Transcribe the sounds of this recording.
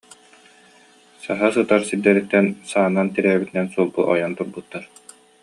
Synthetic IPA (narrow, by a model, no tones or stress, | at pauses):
saɦasɯt̪aɾsiɾd̪ɛɾit̪ːɛnsaːnːant̪iɾɛːbit̪inɛnsuɔlˠbuʔɔ̰jant̪uɾbut̪ːaɾ